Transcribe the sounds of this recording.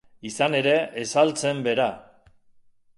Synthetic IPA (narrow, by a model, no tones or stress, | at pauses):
isane̞ɾe̞esalt͡se̞mbe̞ɾa